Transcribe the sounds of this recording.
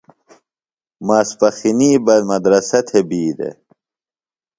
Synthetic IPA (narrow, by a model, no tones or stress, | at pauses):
maːspɐxiniːbɐd̪mɐd̪ɾɐsɐt̪ʰebiːd̪ḛ